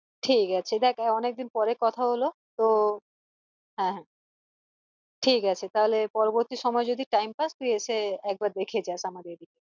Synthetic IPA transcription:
ʈʰikat͡ɕʰed̪ɛkʰɔnek̚d̪inpɔɾekɔt̪ʰaɦolot̪o | ɦɛ̃ɦɛ̃ | ʈʰikat͡ɕʰet̪aɦolepɔɾoboɾt̪iʃɔmɔed͡ʑod̪iʈajmpaʃt̪uieʃeɛk̚baɾd̪ekʰed͡ʑaeʃamad̪eɾd̪ike

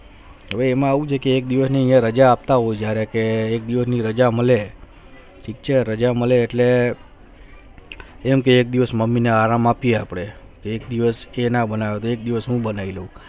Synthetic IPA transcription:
ɦəʋeːmãaʋũt͡ʃʰekeːk̚d̪iʋəsniəijãɾəd͡ʒaːp̚t̪aɦojd͡ʒjaɾekeːk̚d̪iʋəsniɾəd͡ʒaməle | ʈʰik̚t͡ʃʰeɾəd͡ʒaməleːʈle | mkeːk̚d̪iʋəsməmːineaɾamapijeapɽe | keːk̚d̪iʋəsenabənaʋot̪oek̚d̪iʋəsɦũbənailəũ

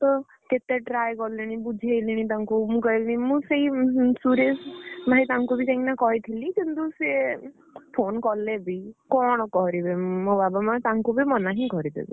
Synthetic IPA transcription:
t̪ɔ | ket̪eʈɾajkɔliɽ̃ĩbud͡ʒʱejliɽ̃ĩt̪aŋkumũkɔjlnĩmũseisuɾesbʱaɦĩt̪aŋkubikeiŋnakɔɦit̪ʰilikint̪use | pʰonkɔlebikɔɽ̃ɔkɔɦɾibemobabamãt̪aŋkubimɔnaɦĩɡʱɔɾid̪ḛbḭ

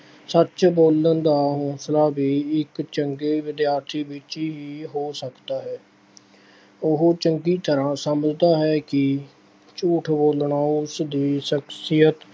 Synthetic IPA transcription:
sət͡ʃboːlənd̪aːɦõːslaːbiːɪkt͡ʃəŋɡeːʋɪd̪jaːɾt̪ʰiːʋɪt͡ʃiːɦiːɦoːsəkt̪aːɦɛː | ʊɦot͡ʃəŋɡiːt̪əɾãːsəməd͡ʒd̪aːɦɛːkɪ | t͡ʃuːʈʰboːlɳaːʊsd̪iːʃəksɪjət̪

